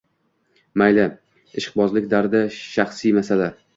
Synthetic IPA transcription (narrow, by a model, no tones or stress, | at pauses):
majlɪ | ɪʃqbɒzlɪkʲd̪aɾd̪aʃaχsijmasala